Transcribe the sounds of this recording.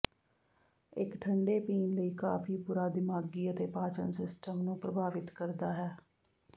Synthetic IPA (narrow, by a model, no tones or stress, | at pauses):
ɪkʈʰəɳɖeːpiːnləiːkaːfʰiːpuːɾaːd̪ɪmaːɡiːət̪eːpaːt͡ʃə̰nsɪsʈəmnũːpɾəbʱaːʋɪt̪kəɾd̪aːɦɛː